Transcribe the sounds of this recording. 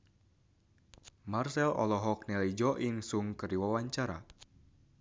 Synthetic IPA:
marsɛlɔ̰lɔɦɔk̚nɛlid͡ʒɔʔiŋsuŋkɨrdiwawaɲt͡ʃaɾa̰

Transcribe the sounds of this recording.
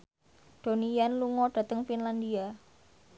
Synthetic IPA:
d̪̥onijanluŋɔɖ̥a̤t̪əŋfinland̪ia

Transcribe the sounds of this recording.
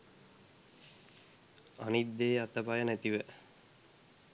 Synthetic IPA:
anit̪d̪eːat̪əpajənæt̪iʋə

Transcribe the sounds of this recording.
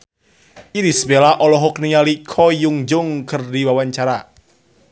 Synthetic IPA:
ʔidisəbelaʔɔlɔɦɔk̚nialikʰɔjʊŋd͡ʒʊŋkərdiwawaɲt͡ʃaɾa

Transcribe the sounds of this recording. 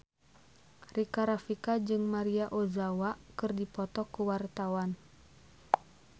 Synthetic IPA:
rikaɾafikad͡ʒɨŋmaɾiaʔozawakɨrdipɔt̪ɔkuwart̪awan

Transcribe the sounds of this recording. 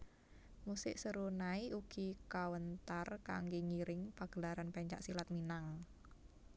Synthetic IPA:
musɪʔsəɾunaiʔuɡ̥ikawənt̪arka̰ŋɡeŋiɾɪŋpaɡ̥əlaɾanpɛɲt͡ʃa̰ʔsilat̪̚minaŋ

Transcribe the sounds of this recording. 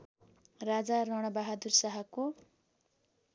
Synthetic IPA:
rad͡zarʌɽ̃ʌbaɦad̪ursʌɦako

